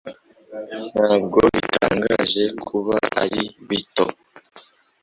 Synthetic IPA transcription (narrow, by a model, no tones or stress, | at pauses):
n̥haːbɡoβitaːŋɡaʒe̞kʰuβaaɾiβito